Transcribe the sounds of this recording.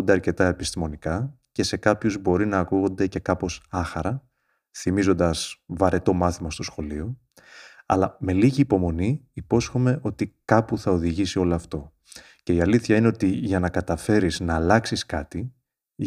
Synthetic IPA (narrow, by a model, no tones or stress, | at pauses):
nd̪eɐɾce̞t̪ɐe̞pist̪imo̞nikɐ | ce̞se̞kɐpçuzbo̞ɾinɐːkuɣo̞nd̪e̞ce̞kɐpo̞sɐxɐɾɐ | θimizo̞nd̪ɐsvɐɾe̞t̪o̞mɐθimɐst̪o̞sxo̞lio̞ | ɐ̰lɐme̞liʝiːpo̞mo̞niipo̞sxo̞me̞ʔo̞t̪ikɐpuθɐoðiʝisio̞loɐft̪o̞ | ce̞iɐliθçɐine̞o̞t̪iʝɐnɐkɐt̪ɐfe̞ɾiznɐːlɐksiskɐt̪i